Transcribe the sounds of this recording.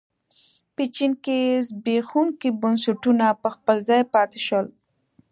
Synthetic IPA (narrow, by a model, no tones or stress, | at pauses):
pit͡ʃinkezbexunkibʊnsʊʈunapəxpəlzɑjpɑt̪eʃəl